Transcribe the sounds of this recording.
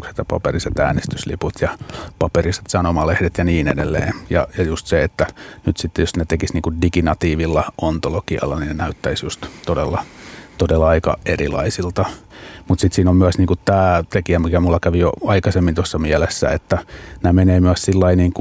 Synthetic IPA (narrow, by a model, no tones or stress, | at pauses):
kse̥t̪jɑpɑ̰periset̪æ̰ːnest̪yslḭput̪ʰjɑpɑperise̥t̪sɑnomɑlehdet̪jɑniːnḛdḛlːḛːjɑjɑjust̪seet̪ːænyt̪sit̪ːejosnet̪ekisniːŋkudikinɑt̪iːʋilːɑʔont̪olokiɑ̰lːɑninenæyt̪ːæisjust̪t̪odelːɑt̪odelːɑɑikɑ̰erilɑ̰isilt̪ɑmut̪sit̪siːnommyæsniːŋkutt̪æːt̪ekiæmikæmulːɑkæʋijo̰ɑikɑsemːint̪osːɑmiælesːæ̰et̪ːænæmeneːmyæssilːɑiniːŋku